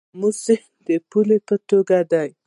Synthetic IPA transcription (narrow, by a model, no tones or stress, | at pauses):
musɪhnd̪əpulepət̪oɡad̪aj